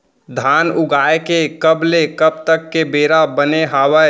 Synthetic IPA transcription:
d̪ʱaːnʊɡaːekekəblekəb̚t̪əkːebeːɾabəneɦaːwə

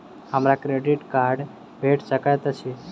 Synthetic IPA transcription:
həmɾakɾeɖiʈkaɾɖ | bʱeʈsəkajt̪əsi

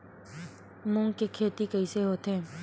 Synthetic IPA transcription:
mʊ̃ŋɡkekʰeːt̪ikəɪseɦoːt̪ɛ̃ː

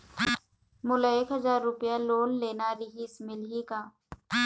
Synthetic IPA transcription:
mʊlaeːkɦɐzaːɾːʊpjaloːnleːnaɾɪɦiːsmɪlɦikaː

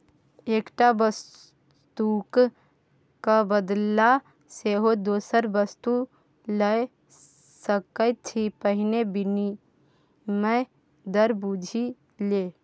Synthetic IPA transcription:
eːkʈabəs | t̪uk | kabəd̪la | seɦod̪oːsəɾbəst̪u | ləe | səkət̪ʰipəɦɪnebɪni | mɛ̃ | d̪əɾbud͡ʒʱi | leː

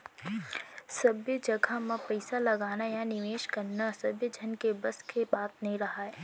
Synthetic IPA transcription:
sɐbjəd͡ʒɐɡʱamãpɛɪsalɐɡaːnajanɪʋeːʃkɐɾnasɐbjəd͡ʒʱɐnkebɐskebaːt̪nɐɦĩɾɐɦaɛː

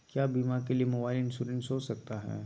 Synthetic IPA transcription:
kjaːbiːmakeliemobaːɪilɪ̃nsuɾɛ̃nsɦoːsɐk̚t̪aɦɛ̰ː

